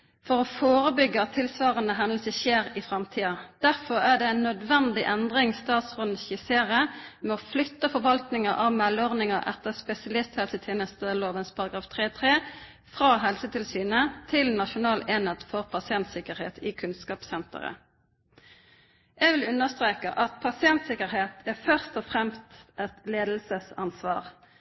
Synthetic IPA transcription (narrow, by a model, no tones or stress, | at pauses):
fɔʁɔːfoːʁəbʏɡːəɑt̪ʰːɪlsʋɑːʁənəɦɛnd̪əl̩səçeːʁɪfʁɑmt̪ʰiːɑd̪̥æʁfɔʁæɖ̪ɛænːœd̪ʋɛnd̪ɪʔɛnd̪ʁɪŋst̪ɑːt̪sfɔnn̩çɪseːʁəmɛɔflʏt̪ːəfɔʁʋɑlt̪nɪŋəʔɑʋmɛlɔʁnɪŋɑʔɛ̰t̪ːəʁspɛsɪɑlɪst̪hɛlsət̪ʰjeːnəst̪əloːʋənspʰɑʁɑɡʁɑːft̪ʰʁeːt̪ʰʁeː | fʁɑːɦɛlsət̪ʰɪlsyːnət̪ʰɪlnɑʃʊnɑːleːnet̪fɔʁpʰɑsɪɛnt̪sɪkəʁheːt̪ʰɪːkʰʉnskɑːpsɛnt̪ə̰ʁə̰ | ʔɛɡʋɪlʉnəʁst̪ʁeːkə̰ʔɑt̪pʰɑsɪɛnt̪sɪkəʁheːt̪ʰæʁfœʁst̪ɔfʁɛmst̪ʔɛt̪leːd̪l̩səsɑ̰nsʋɑ̰ːʁ